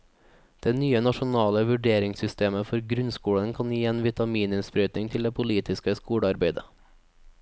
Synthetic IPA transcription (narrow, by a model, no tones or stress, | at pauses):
d̪̥ɛnyːənɑʃʊnɑːləʋʉɖeːɾɪŋsʏst̪eːməfɔɾɡɾʉnskuːɽənkʰɑnjiːeːnʋɪt̪ʰɑmiːnʉmspɾœʏt̪nɪŋt̪ʰɪld̪eːpʰʊliːt̪ɪskəskuːɽəɑɾbeɪd̪ə